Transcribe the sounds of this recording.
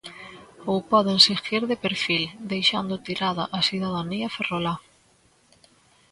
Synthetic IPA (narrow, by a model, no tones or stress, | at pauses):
owpɔðensixiɾðepeɾfild̪ejʃand̪ʊt̪iɾaðaʔasiðaðaniaferola